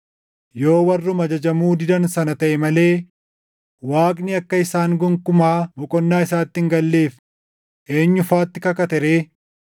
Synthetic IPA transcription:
jo̞ːwɐrːʊmɐd͡ʒɐd͡ʒɐmuːd̪ɪd̪ɐnsɐnɐt̪ɐʔɛmɐle̞ː | waːkʼnɪɐkːɐɪsaːŋɡʊŋkʊmaːbɔkʼɔnːaːɪsaːt̪ːɪŋɡɐlːe̞ːf | ʔe̞ːɲːʊfaːt̪ːɪkɐkɐt̪ɛɾeː

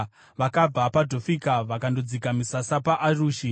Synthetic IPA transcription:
ʋakab͡vapadʱofikaʋakando̞d͡zikamisasapaʔaruːʃi

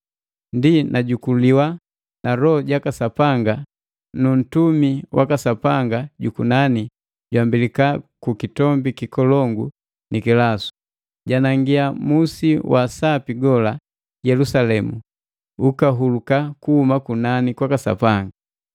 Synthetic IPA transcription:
ndinʔaɟukuliwa | naɾɔɟakasapaŋɡa | nun̩tumiwʔa̰kasapaŋɡaɟukunani | ɟwambilikakukitɔmbikikɔlɔŋɡu | nikilasu̥ | ɟanaŋɡiamusiwʔasapiɡɔla | jɛlusalɛmu | ukaɦulukakuhumakunanikwakasa̰paŋɡa

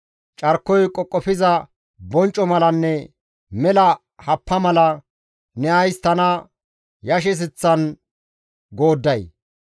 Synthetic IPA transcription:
t͡ʃʼɐɾkːɔjkʼɔkʼːɔfɪzɐ | bɔnt͡ʃʼːɔmɐlɐnːɛ | mɛlɐ | hɐpːɐmɐlɐ | nɛʔɐjst̪ɐnɐ | jɐʃ̬ɛs̬ɪt͡sːɐn | ɡo̞ːd̪ːɐj

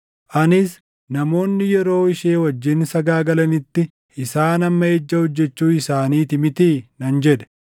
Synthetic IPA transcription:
ʔɐnɪs | nɐmo̞ːnːɪjɛɾo̞ːɪʃeːwɐd͡ʒːɪnsɐɡaːɡɐlɐnɪt̪ːɪ | ʔɪsaːnɐmːɐed͡ʒːɐhɔd͡ʒːɛt͡ʃːuːɪsaːniːt̪ɪmɪt̪iːnɐnd͡ʒɛd̪ɛ̥

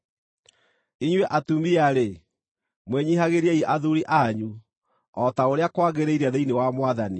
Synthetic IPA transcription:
iɲwɛʔatumiaɾe | mweɲiɦaɣeɾiaiʔaðuɾiʔaɲu | ɔtaoɾeakwaɣeɾeiɾaðeinewamwaðani

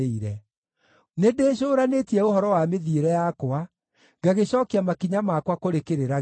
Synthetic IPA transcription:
iɾɛ | nedeːɕ̬oːɾanetiɛohɔɾɔwameðieɾɛjakoa | ɡaɣeɕɔkeamakiɲamakwakoɾekeɾeɾa

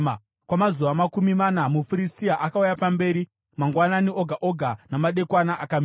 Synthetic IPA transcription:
kwamazuʋamakumimanamufuɾistiaʔakaujapambe̞ːɾi | maŋɡwananiʔoɡʱaʔo̞ɡʱanamaɗe̞kwanaʔakam

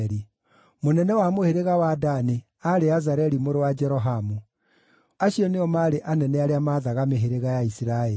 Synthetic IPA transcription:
ɾi | monɛnɛwamoheɾeɣawadane | aɾeazaɾɛɾimoɾowad͡ʒɛɾɔɦamu | aɕiɔneɔmaɾeʔanɛnɛaɾeamaːðaɣameɦeɾeɣajaisiɾaɛ

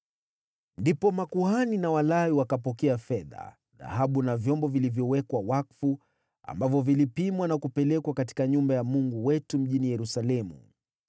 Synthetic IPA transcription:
ndipɔmakuhaninawalaiwakapɔkɛafɛða̰ | ða̰haɓunavjɔmbɔvilivjɔwɛkwawakfu | a̰mbavjɔvilipimwanakupɛlɛkwakati̥kaɲumbajamuŋɡuwɛtum̩ʄinijɛɾusalɛmṵ

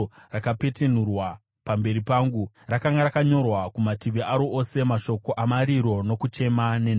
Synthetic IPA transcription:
rakape̞ten̤urwa | pambe̞ɾipaːŋɡu | rakaŋɡaɾakaɲo̞rwakumatiʋiaɾoʔose̞maʃo̞ko̞ʔamaɾiɾo̞no̞kut͡ʃe̞mane̞n

